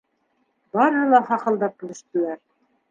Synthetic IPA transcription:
bɑɾhɤ̆lˠɑχɑqɤ̆lˠd̪ɑp̚kɘ̆lɘ̆ʃt̪ɘ̆læɾ

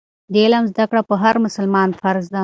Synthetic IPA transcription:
d̪elamzd̪akɽapəɦaɾmʊsəlmɑnfaɾzd̪a

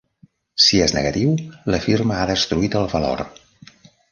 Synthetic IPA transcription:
sieznə̰ɣət̪iwləfiɾməaðəst̪ɾuit̪əlˠβəlo̰ɾ

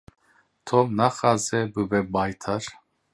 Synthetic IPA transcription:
t̪ʰomnaχazɛbɨbɛbajt̪ʰaɾ

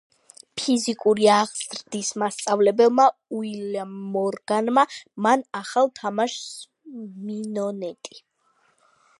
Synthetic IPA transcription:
pʰizikʼuɾiaʁz̥ɾd̪ismast̪sʼavlɛbɛlmauilamɔɾɡ̥anmamanaχalˠt̪ʰamaʃ | minɔnɛt̪ʼi

